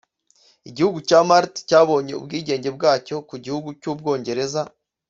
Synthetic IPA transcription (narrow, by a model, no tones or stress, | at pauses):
iɟihuɡucaːmaɾtcaːβo̞ːɲe̞ṵbɡiːɟe̞ːɲɟe̞b̚ɡaːco̞kuɟihuɡucuːb̚ɡo̞ːɲɟe̞ɾe̞za